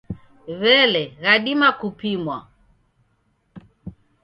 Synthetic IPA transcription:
βɛlɛɣaɗimakupimwa̰

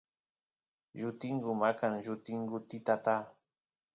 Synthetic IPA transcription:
ʒʊt̪ɪŋɡʊmakanʒʊt̪ɪŋɡʊt̪ɪt̪at̪a

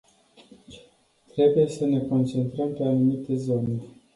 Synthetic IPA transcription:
t̪ɾe̞buje̞səne̞ko̞nt͡ʃe̞nt̪ɾəmpe̞anumit̪e̞zo̞ne̞

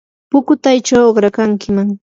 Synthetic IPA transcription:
pʊkʊt̪ajt͡ʃawɢɾakaŋkɪmaŋ

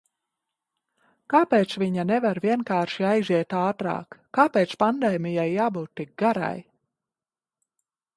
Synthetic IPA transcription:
kaːpeːt̪sviɲanɛvaɾviɛnkaːɾʃiajziɛt̪aːt̪ɾa̰ːkːaːpeːt̪spand̪ɛːmijajːaːbuːt̪ːik̚ɡaɾa̰j

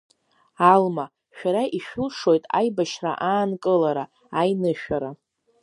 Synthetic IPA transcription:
alma | ʃᶣaɾaʔiʃᶣʊlʂo̞jtʼa̰jbaʃra̰ʔaːnkʼɨlaɾa | ajnɨʃᶣaɾa

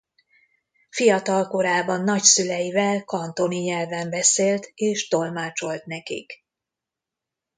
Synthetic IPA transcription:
fijɒt̪ɒlko̞ɾaːbɒnːɒcsylɛjivɛlkɒnt̪o̞niɲɛlvɛmbɛseːlt̪eːʃt̪o̞lmaːt͡ʃo̞lt̪nɛkḭk

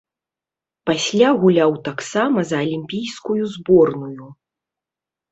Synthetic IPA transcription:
pasʲlʲaɣulʲawt̪aksamɐzɐɐlʲimʲpʲijskujuzbɔrnuju

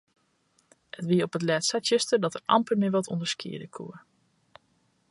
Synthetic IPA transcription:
ətʋiəɔpətlɛːtsatəstədɔtərɑ̰mpəmɪʋɔtʰɔndəɹskḭədəkʰṵə

